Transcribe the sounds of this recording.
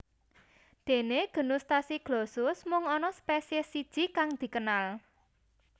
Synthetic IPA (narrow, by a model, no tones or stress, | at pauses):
d̪̥e̤neɡ̥ə̤nʊst̪asiɡ̥lɔsʊsmʊŋɔnɔspesesid̥ʒ̥i̤kaŋd̪̥i̤kənal